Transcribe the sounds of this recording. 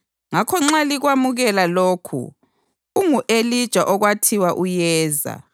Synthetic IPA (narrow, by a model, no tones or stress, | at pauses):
ŋakʰɔŋ͡ǁaliɣwamuɣɛlaloːkʰṵː | ŋuʔelid̥ʒ̥ʱaʔɔɣwatʰiwaʔujɛːza̰